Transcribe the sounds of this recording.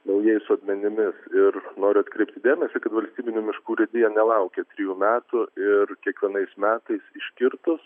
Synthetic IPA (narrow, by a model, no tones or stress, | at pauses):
nɐʊjɛɪsʊɐt̪ʲmʲɛnʲɪmʲɪsɪɾnoːɾʲʊɐt̪kɾʲɛɪp̚t̪ʲɪd̪ʲeːmʲɛsʲɪkɐt̪ʋɐlʲsʲt̪ʲiːbʲɪnʲuːmʲɪʃkuːɾʲɛd̪ʲɪjɛnʲɛlˠɐʊkʲeːt̪ʲɾʲɪjuːmʲæːt̪ʊɪɾkʲiɛkʋʲiɛnɐɪsmʲæːt̪ɐɪsɪʃʲkʲɪɾt̪ʊs